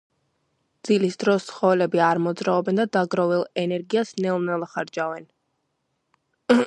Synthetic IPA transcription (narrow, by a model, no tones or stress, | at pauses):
d̪z̥ilisd̪ɾɔst̪sʰχɔvɛlɛbiaɾmɔd̪zɾaɔbɛnd̪ad̪aɡɾɔvilˠɛnɛɾɡiasnɛlˠnɛlˠaχaɾd͡ʒavɛn